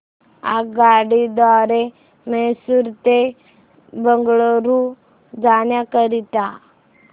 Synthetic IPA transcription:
a̰ɡaɽid̪ʋaɾe | mesuɾt̪e | bəŋɡɭoɾu | d͡zanjakəɾit̪a

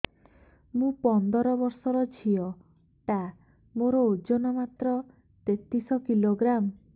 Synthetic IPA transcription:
mũpɔnd̪ɔɾɔbɔɾsɔɾɔt͡ʃʰiɔ | ʈa | moɾɔod͡ʒonɔmat̪ɾɔ | t̪et̪isɔkiloɡɾam

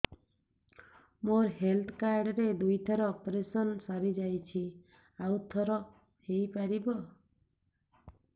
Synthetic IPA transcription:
moɾɦelt̪ʰkaɾɖɾed̪ujt̪ʰɔɾɔːpɾesɔnsaɾid͡ʒajt͡ʃʰi | awt̪ʰɔɾɔ | hejpaɾibɔ

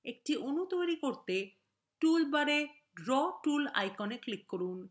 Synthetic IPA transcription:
ek̚ʈiʔonut̪ojɾikoɾt̪e | ʈulbaɾe | ɖɾɔʈula̰jkɔneklikːoɾun

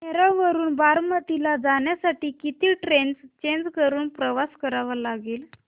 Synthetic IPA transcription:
meɾoʋəɾuːnbaɾmət̪ilad͡zaɳjasaʈiːkit̪iːʈɾenst͡ɕeɲd͡ʑkəɾuːnpɾəʋaskəɾaʋəlaɡeːl

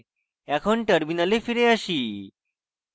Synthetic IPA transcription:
akʰoɳʈəɾminalefiɾeaɕiː

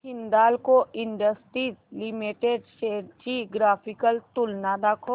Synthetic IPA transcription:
ɪ̃nd̪aːlkoɪɳɖəsʈɾiːlimiʈeɖʃeːt͡ʃiɡɾaːpʰɪkəlt̪ʊlnad̪akʰoː

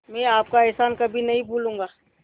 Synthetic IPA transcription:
mɛ̃aːp̚kaɛɦsaːnkɐbʱinɐɦĩbʱuːlũːŋɡaː

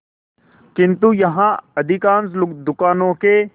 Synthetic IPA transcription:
kɪ̃nt̪ujɐɦãɐd̪ʱɪkãːnsd̪ʊkaːnõːke

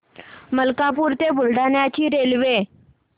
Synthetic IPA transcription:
məlkap̬uːɾt̪ebʊlɖʱanjat͡ɕiːɾelʋe

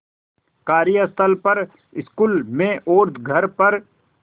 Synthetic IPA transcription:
kaːɾijəst̪ʰəlpɐɾ | ɪskuːlmẽʔoːɾt̪ʰɡʱɐɾpɐɾ

